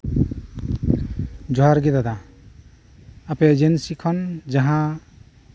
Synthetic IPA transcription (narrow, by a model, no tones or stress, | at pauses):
d͡ʒɔɦaɾɡed̪ad̪a | aped͡ʒensikʰɔnd͡ʒaɦã